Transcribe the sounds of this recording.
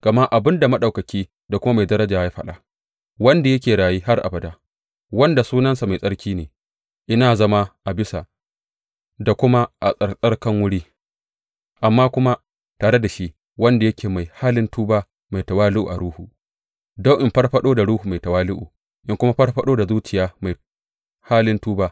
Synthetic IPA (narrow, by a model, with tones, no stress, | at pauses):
ɡ̥ɐ˨ma˦ʔa˨bɪ˦nda˨mɐ˦ɗa˨wkɐ˨kʲiː˦ | da˨kʷʊ˦ma˦ma˨jdɐ˦ɾɐ˦d͡ʒaː˨ja˦ɸɐ˦ɗa˨ | wɐ˦nda˨jɐ˦kʲeː˨ɽaː˨jiː˦ha˦rʔa̰˨bɐ˨da˦ | wɐ˦nda˨suː˦nɐ˦nsa˨ma˨jsʼɐ˦ɽkʲiː˦neː˨ | ʔɪ˦naː˨zɐ˦ma˦ʔa˨bɪ˦sa˨ | da˨kʷʊ˦ma˦ʔa˨sʼɐ˨sʼɐ˦rkɐ˦ŋwʊ˦ɽiː˦ | ʔa˨mːaː˦kʷʊ˦ma˦ | taː˨ɽe˦da˨ʃi˦ʔ | wɐ˦nda˨jɐ˦kʲeː˨ma˨jhaː˦lɪ˦ntuː˦baː˦ | ma˨jtɐ˨waː˦lʊ˦ʔṵ˨ʔa˨ɽuː˦hu˨ | da˦ʔɪ˨mɸɐ˦rɸɐ˦ɗoː˦da˨ɽuː˦huː˨ma˨jtɐ˨waː˦lʊ˦ʔṵː˨ | ʔɪ˦ŋkʷʊ˦ma˦ɸɐ˦rɸɐ˦ɗoː˦da˨zuː˦t͡ʃɪ˨jaː˦ma˨j | haː˦lɪ˦ntuː˦baː˦